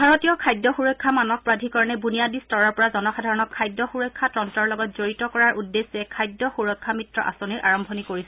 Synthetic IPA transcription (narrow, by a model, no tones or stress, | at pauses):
bʱaɹotijɔkʰajdɔxuɹɔkʰːamanɔk̚pɹadʱikɔɹɔnɛbunijadistɔɹɔɹpɔɹazɔnɔxadʱaɹɔnɔkʰːajdːɔxuɹɔjkʰːatɹɔntɔɹlɔɡɔt̚z̥oɹitɔkɔɹaɹʔudːesɛkʰajdːɔxuɹɔkʰːamitɹɔ̰ʔa̰soniɹʔaɹɔmbʱɔnikoɹisɛ